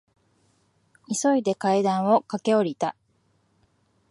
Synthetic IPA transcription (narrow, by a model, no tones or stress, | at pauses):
iso̞id̪e̞kaid̪ãɰ̃o̞kake̞o̞ɾʲit̪a